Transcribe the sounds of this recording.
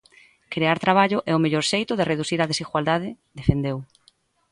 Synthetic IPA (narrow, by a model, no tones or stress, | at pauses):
kɾeaɾt̪ɾaβ̞aʎʊʔɛʊmeʎɔɾʃejt̪ʊðereðuθiɾað̞esiɣwald̪aðɪ | d̪efend̪ew